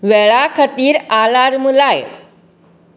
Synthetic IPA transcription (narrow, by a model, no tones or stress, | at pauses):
ʋɛɭakʰət̪iːɾalaɾmulaj